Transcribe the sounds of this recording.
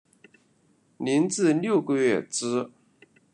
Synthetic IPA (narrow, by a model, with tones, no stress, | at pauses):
ni˧˥nt͡sɹ̩˥˧ljo˥˩ʊɡə˧ɥɛ˥˩ʈ͡ʂɻ̩˥